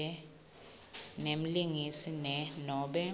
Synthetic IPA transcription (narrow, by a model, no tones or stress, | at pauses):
ɛ | nem̩liŋisinɛnɔːɓɛ